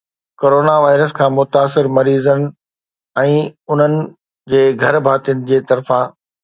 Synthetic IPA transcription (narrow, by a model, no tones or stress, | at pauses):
koːɾoːnaʋaːɪɾəskʰãːmʊt̪aːsɪɾmɐɾiːzənɪ̆ | ɛ̃ːʊn̤ənɪ̆ | d͡ʑeːɡʱɐɾbʱaːt̪ijənɪ̆d͡ʑeːt̪ɐɾfã